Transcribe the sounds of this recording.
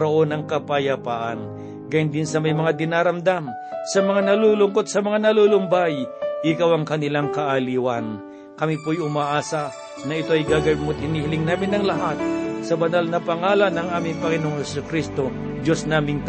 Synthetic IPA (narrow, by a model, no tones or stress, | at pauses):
ɾoʔo̞nɐŋkɐpɐjapaːʔa̰n | ɡaːjʊnd̪ɪnsɐmɐjmɐŋad̪ɪnaːɾɐmd̪am | sɐmɐŋanɐlulʊŋkot̪̚sɐmɐŋanɐlulʊmbajʔɪkawɐŋkɐnɪlaŋkɐʔaliːwɐn | kɐmipojʊmaːʔaːsɐ | nɐɪt̪o̞ɐjɡaːɡɐmʊt̪̚hɪnihɪlɪŋnaːmɪnːɐŋlɐɦat̪̚sɐbɐnalnɐpɐŋaːlanːɐŋʔaːmɪŋpɐŋɪnoːŋŋhɛsʊkɾist̪o̞ | d͡ʒo̞snaːmɪŋt̪